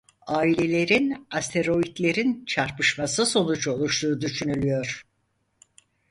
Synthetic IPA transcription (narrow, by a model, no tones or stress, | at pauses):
aːilʲe̞lʲe̞ɾinast̪ʰe̞ɾo̞it̪lʲe̞ɾint͡ʃʰaɾpɯʃmasɯso̞nut͡ʃo̞lˠuʃlˠuːd̪yʃynylʲyjo̞ɾ̥